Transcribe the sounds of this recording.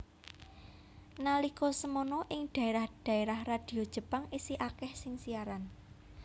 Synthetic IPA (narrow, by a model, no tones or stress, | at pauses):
nalikɔsəmonɔʔɪŋd̪̥ä̤eɾahd̪̥ä̤eɾahrad̪̥i̤od̥ʒ̥ə̤paŋisiʔakɛhsɪŋsiaɾan